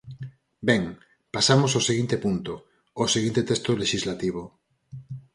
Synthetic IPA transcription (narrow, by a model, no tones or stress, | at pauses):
bɛŋ | pasamosawseɣint̪epunt̪o | oseɣĩnt̪et̪est̪oleʃizlat̪iβ̞o